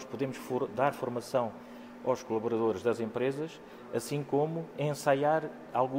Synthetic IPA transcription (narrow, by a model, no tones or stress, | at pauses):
ʃpuðemuʃfuɾd̪aɾfuɾmɐsɐ̃w̃ | a̰wʃkulˠɐβuɾɐðoɾʒðɐzẽmpɾezɐʃ | ɐsĩkomuẽsajaɾ | alˠɣũ